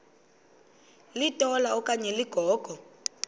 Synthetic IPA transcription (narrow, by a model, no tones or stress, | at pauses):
litʼɔlaɔkʼaɲɛliɡ̥ʱɔːɡ̥ʱɔ